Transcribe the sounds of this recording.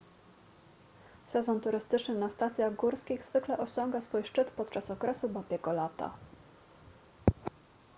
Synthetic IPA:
sɛzɔnt̪uɾɘst̪ɘt͡ʂnɘnast̪at̪sʲjaɣɡuɾskʲiɣzvɘklɛʔɔɕɔŋɡasfujʂt͡ʂɘt̪pɔt̪̚t͡ʂasɔkɾɛsubapʲjɛkɔlat̪ʰa̰

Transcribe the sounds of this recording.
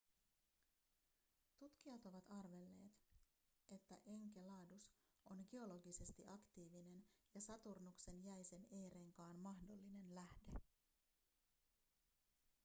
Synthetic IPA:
t̪ut̪k̟iɑt̪oʋɑt̪ɑrʋe̞lːe̞ːt̪ | e̞t̪ːæʔe̞ŋkelɑːdus | o̞nɡeo̞lo̞ɡise̞st̪iʔɑkt̪iːʋine̞njɑsɑt̪urnukse̞njæjse̞ne̞jɾe̞ŋkɑːnmɑhdo̞lːine̞nlæhde̞

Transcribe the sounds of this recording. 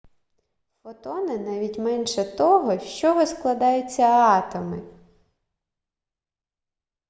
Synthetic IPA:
fɔt̪ɔnɪnɑʋʲitʲmɛnʃɛt̪ɔɦɔʃt͡ʃɔɦɔsklˠɐd̪ɑjʊt͡sʲːɐɑt̪ɔmɪ

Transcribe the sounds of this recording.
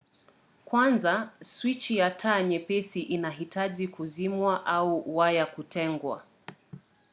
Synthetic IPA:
kwanzaswit͡ʃijatʰaɲɛpɛsiʔinaɦitaʄikuzimwaʔauwajakutɛŋɡwa̰

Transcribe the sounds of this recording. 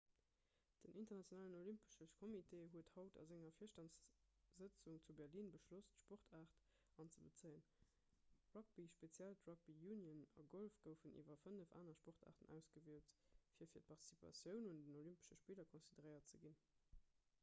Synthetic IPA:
d̥ənʔintɐʁnɑt͡sjonaːlənolympə̥ʃəʃkʰomitʰeːɦuəthɑʊtʰɑ̰zɪŋɐfiːɐʃtɑns | z̥ət͡suŋt͡subɛʁliːnbəʃlostʃpoʁtʰaːʁt | ɑnt͡səbət͡səɪən | ʁɑk̚b̥iʃpet͡sjæltʁɑk̚b̥ijuːnjənɑ̰ɡolfɡ̥əʊfənʔḭːvɐfənəfa̰ːnɐʃpɔʁtʰa̰ːʁtənæ̰ʊsɡ̥əviəltfiːɐfiːɐt̚pʰɑʁti̥sipʰɑ̰sjəʊnundənolympə̥ʃəʃpiːlɐkʰonsidəʁəɪɐtt͡səɡin

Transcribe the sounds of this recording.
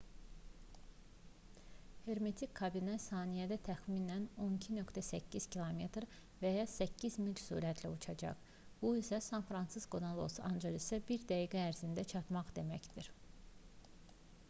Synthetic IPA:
he̞ɾmet̪ʰikʲʰkʰːɑbinæsɑːnijæd̪æt̪ʰæxminæno̞nicʰinø̞kt̪ʰæsæcːiz̥cʰilˠome̞t̪ɾ | væjɑsæcːizmilcsṵɾæt̪ʰlæut͡ʃʰɑd͡ʒɑ̰χ | b̥uisæsɑnfɾɑnsiskonalˠo̞̰sɑ̰nd͡ʒɑʁisæbiɾd̪æjiɡæːɾzind̪æt͡ʃʰɑt̪mɑχd̪e̞mæcd̪̥iɾ

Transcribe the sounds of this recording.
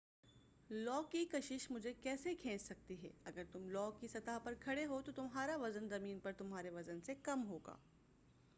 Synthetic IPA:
lɔːkːikɐʃɪʃmʊd͡ʒʱekɛːsekʰɛ̃ːt͡ʃsɐk̚t̪iɦɛ̰ːɐɡəɾt̪ʊmlɔːkːisɐt̪aːɦpɐɾkʰɐɽeɦot̪ot̪ʊmɦaːɾaʋɐzənzɐmiːnpɐɾt̪ʊmɦaːɾeʋɐzənsekɐmɦoːɡa̰ː

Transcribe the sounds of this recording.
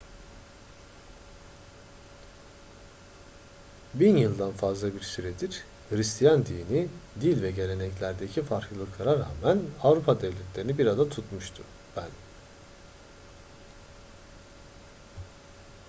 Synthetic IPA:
binjɯlˠd̪anfazlˠabiɾsyɾɛd̪iɾ̥ | hɯɾist̪ʰijand̪iːnid̪ilʲvɛɟe̞lʲe̞nɛclʲæɾd̪ecʰifaɾklˠɯlˠɯklˠaɾaɾa̰ːmænavɾupʰad̪ɛvlʲɛt̪ʰlʲeɾinibiɾad̪at̪ʰut̪muʃt̪ʰṵ | b̥æn

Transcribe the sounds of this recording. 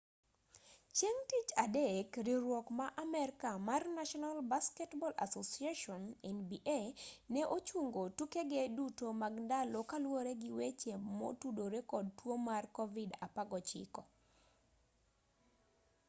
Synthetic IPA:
t͡ʃeŋtit͡ʃadekɾiɾwɔkmaʔamɛɾkamarnaʃɔnalbaskɛtbɔlʔa̰sosiaʃɔnɛnbiʔenɛʔot͡ʃuŋɡotukeɡedutomaɡndalokalwoɾeɡɪwet͡ʃemːɔ̰tudoɾekɔd̚twomarkɔvida̰paɡɔt͡ʃɪ̰kɔ

